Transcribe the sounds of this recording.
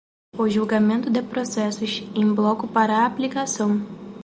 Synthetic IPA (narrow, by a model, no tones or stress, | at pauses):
ʊʒulɡamẽnt̪ʊd̪ɪpɾosɛsʊʃẽj̃blˠɔkʊpaɾɐːplikasɐ̃w̃